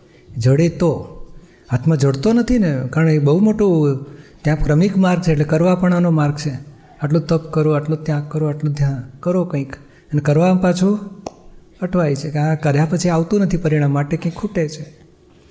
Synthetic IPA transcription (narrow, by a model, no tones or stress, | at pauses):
d͡ʒəɽet̪o | ɦat̪ʰmãd͡ʒəɽt̪onət̪ʰinekaɾəɳebəɦumoʈot̪jãpkɾəmikmaɾɡ̚t͡ʃʰeːʈlekəɾʋapəɳ̃anomaɾɡ̚t͡ʃʰe | aʈlõt̪əpkəɾoaʈlot̪jãkəɾoaʈlõd̪ʱjãkəɾokə̃ĩk | ənekəɾʋampat͡ʃʰu | əʈʰʋajt͡ʃʰekeɦãkəɾjapət͡ʃʰiaʋt̪ũnət̪ʰipəɾiɽ̃ãmːaʈekə̃ĩkʰːuʈet͡ʃʰe